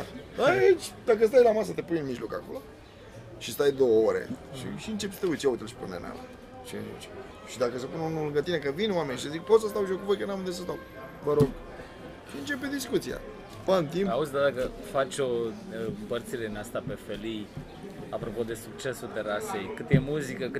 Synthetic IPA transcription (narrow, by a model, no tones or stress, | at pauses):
ait͡ʃʲd̪akəs̬t̪ajlamas̬ət̪e̞punɨnmiʒlo̞ka̰ko̞̰lo | ʃist̪ajd̪o̞wəoɾḛʃḭʃiɨnt͡ʃe̞pst̪eujt̪sʲjaut̪elʃi̥pṵnḛna̰l̰ | ʃḭnṵt͡ʃ | ʃid̪akəsəpununulɨŋɡət̪inekəvinwame̞nʃit̪ezikpo̞t̪səst̪awʃiokuvo̞jkənamnd̪esəs̬t̪aw | vəɾo̞ɡ | ʃiɨnt͡ʃe̞ped̪iskut̪sija̰ | pənt̪impauzʲd̪ad̪akəfat͡ʃʲo | pərt̪siɾed̪inast̪ape̞felij | apɾopo̞d̪e̞suk̚t͡ʃe̞sut̪eɾasejkɨt̪jemuzikəkɨ